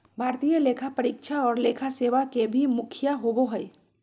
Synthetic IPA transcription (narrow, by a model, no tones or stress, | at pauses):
bʱaːɾt̪ijaleːkʰapəɾiːkʃʰaɔːɾleːkʰaseːʋakebʱimʊkʰjaɦoɡoɦɛj